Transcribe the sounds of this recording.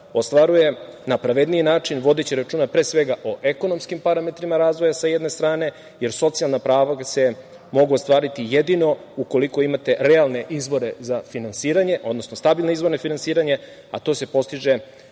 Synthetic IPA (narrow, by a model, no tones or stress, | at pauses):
ost̪ʋaɾuje̞napɾaʋe̞d̪nijinaːt͡ʃinʋo̞d̪et͡ɕiɾat͡ʃuːnapɾesʋe̞ɡaʔo̞ʔe̞ko̞no̞mskimpaɾame̞t̪ɾimaɾaːzʋo̞jasajed̪ne̞st̪ɾaːne̞ | je̞ɾso̞t̪sijalnapɾaːʋase̞ | mo̞ɡuost̪ʋaːɾit̪ijed̪ino̞ | uko̞liko̞imat̪e̞ɾealne̞ʔizbo̞ɾe̞zafinansiːɾaɲe̞ʔo̞d̪no̞snost̪abilnoizʋo̞ɾnofinansiːɾaɲe | a̰t̪o̞ːse̞po̞st̪iʒe̞